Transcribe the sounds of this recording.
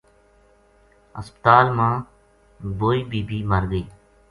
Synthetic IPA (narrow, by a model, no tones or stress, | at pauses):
ə̰spət̪aːlmãː | boːiːbiːbiːməɾɡiː